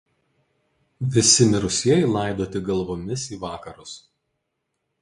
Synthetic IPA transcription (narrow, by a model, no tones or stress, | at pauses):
ʋʲɪsʲɪmʲɪɾʊsʲiɛɪlˠɑˑɪd̪oːt̪ʲɪɡɐlˠʋoːmʲɪsiːʋɑːkɐɾʊs